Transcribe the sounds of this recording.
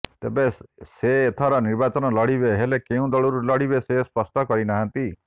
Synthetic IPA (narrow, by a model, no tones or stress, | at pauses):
t̪ebeseːt̪ʰaɾɔniɾbat͡ʃɔnɔlɔɽibeɦelekeũd̪ɔɭuɾulɔɽibesespɔsʈɔkɔɾinaɦant̪i